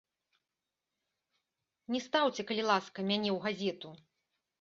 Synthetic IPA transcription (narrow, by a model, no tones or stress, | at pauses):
nʲɛst̪awt͡sʲɛkɐlʲilˠaskɐmʲanʲɛwɣazʲɛt̪u